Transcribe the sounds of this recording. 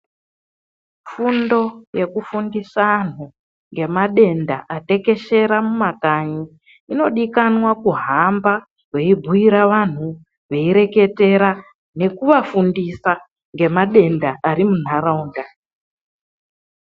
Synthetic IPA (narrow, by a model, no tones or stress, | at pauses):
fundo̞je̞kufundisan̤u | ŋɡe̞maɗe̞ndaʔate̞ke̞ʃe̞ɾamumakaɲi | ino̞ɗikanwakuɦamba | we̞ibʱuiɾaʋan̤u | ʋe̞iɾe̞ke̞te̞ɾa | ne̞kuʋafundisa | ŋɡe̞maɗe̞ndaʔaɾimun̤aɾauːnda